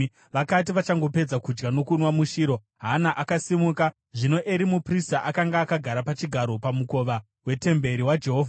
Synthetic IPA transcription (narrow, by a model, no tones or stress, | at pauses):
ʋakat̬iʋat͡ʃaŋɡo̞pe̞d͡zakud͡ʒɡano̞kunwamuʃiːɾo̞ | ɦanaʔakasimuka | ʐino̞ʔeɾimupristaʔakaŋɡaːkaɡʱaɾapat͡ʃiɡʱaɾo̞pamuko̞ːʋa | we̞te̞mbe̞ɾiwad͡ʒe̞ɦoːvʱa